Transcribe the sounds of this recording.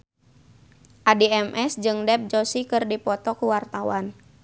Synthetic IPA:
ʔadiɛmʔɛsd͡ʒɨŋdɛp̚d͡ʒosikɨrdipɔt̪ɔkuwart̪awan

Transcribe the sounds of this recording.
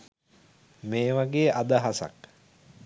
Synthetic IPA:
meːʋaɡeːʔad̪aɦasa̰k

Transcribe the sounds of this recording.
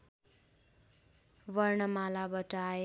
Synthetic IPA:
ʋʌrɳʌmalabʌʈae

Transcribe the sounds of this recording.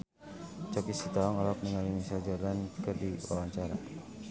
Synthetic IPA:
t͡ʃɔkisit̪aɔŋalap̚niŋalimisald͡ʒalankərdiwa̰waɲt͡ʃaɾa̰

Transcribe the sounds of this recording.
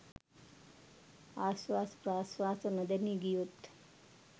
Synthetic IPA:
asʋaspɾasʋasənəd̪əniɡijot̪

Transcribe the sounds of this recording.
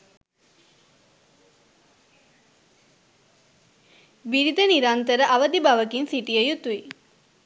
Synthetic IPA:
biɾid̪əniɾant̪əɾəʔaʋəd̪ibaʋəkinsiʈijəjut̪ui

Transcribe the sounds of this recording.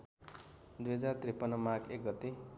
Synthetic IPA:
d̪ujʌd͡zart̪ripːʌnːʌmakek̚ɡʌt̪e

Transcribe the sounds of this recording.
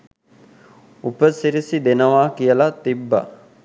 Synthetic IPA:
upəsiɾisid̪enəʋaːkijəlat̪ibːɐ̰

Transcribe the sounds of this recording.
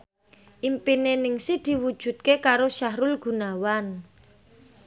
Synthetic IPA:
ʔimpinenɪŋsid̪̥i̤wud̥ʒ̥ṳt̪̚kekaɾoʃaɦɾʊlɡ̥ṳnawan

